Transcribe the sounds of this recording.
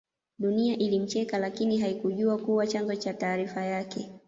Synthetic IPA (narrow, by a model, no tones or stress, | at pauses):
ɗuniaʔilim̩t͡ʃɛkalakiniɦaikuʄuakuwat͡ʃanzɔt͡ʃataːɾifajakɛ